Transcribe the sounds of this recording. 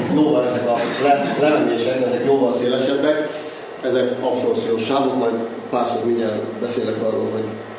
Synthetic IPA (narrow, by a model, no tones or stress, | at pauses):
noːvɒlɛzɛkɒlɛlɛlɛmeʃɛkɛzɛkjoːlvɒnseːlɛʃɛbːɛk | ɛzɛkɒpsort̪sijoːʃːaːvokmɒjd̪ | paːrʃokmiɲarlbɛseːlɛkɒrːo̰ːlɦo̞ɟ